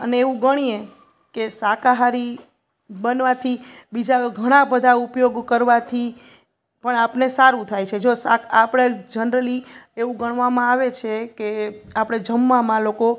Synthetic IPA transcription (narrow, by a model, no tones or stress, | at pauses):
əneːʋũɡəɽ̃ie | kesakaɦaɾi | bənʋat̪ʰibid͡ʒaɡʱəɽ̃ãbəd̪ʱaupjoɡkəɾʋat̪ʰi | pəɳapnesaɾũt̪ʰajt͡ʃʰed͡ʒosa̰kapɽ̃ed͡ʒənɾəlieʋũɡəɳ̃ʋamãaʋet͡ʃʰekeapɽ̃ed͡ʒəmːamãloko